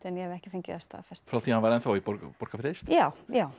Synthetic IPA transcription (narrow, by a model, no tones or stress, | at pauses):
t̪ɛnjɛhɛvɛhcɪ̥fɪɲcɪ̰ðɛst̪a̰fɛst̪fɾawθianvaɾɛnθowipɔɾkpɔɾkafɾejst̪jaːwjaːw